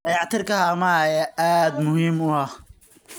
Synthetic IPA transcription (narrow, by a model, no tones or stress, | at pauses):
ɑjɑʕt̪ʰɪrkʰɐɦaːmajaʔaːd̪mʊhiːmʊɐ